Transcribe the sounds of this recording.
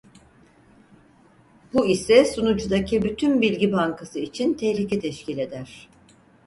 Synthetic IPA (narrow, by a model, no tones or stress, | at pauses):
buisɛsunud͡ʒud̪acʰibyt̪ʰynbilʲɟibaŋkʰasɯit͡ʃʰint̪ʰɛhlʲicʰɛt̪ʰɛʃcʰilʲe̞d̪æɾ̥